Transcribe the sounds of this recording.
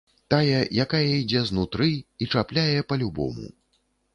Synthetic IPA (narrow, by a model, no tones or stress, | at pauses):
t̪ajɛjakajɐid͡zʲɛznut̪ɾɨit͡ʂaplʲajɛpɐlʲubɔ̰mṵ